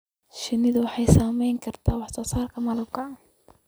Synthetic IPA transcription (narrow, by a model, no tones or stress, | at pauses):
ʃɪnɪðʊwɑħɑjsaːmɛjŋkʰɐrt̪ʰaːwɑħsɔːsaːrkʰɐmɐlɐb̚kʰɐa